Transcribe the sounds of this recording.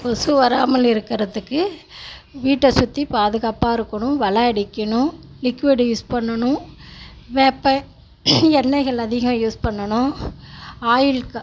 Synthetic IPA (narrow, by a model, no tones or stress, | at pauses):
pɔsuʋɐɾaːmɐlɪɾɯkːɪɾɐðɯkːɯ | ʋiːʈːɐsʊt̪ːipaːðɯɣaːpaːɪɾɯkːɐɳʊ̃ʋɐɭɐɐɽɪkːɐnʊ̃lɪkʋɪɽjuːspɐɳːɐɳʊ̃ | ʋeːpːɐ̃ | ɛnːɐɪɣɐɭɐðɪɣɐmjuːspɐɳːɐnʊ̃ | aːjɪlk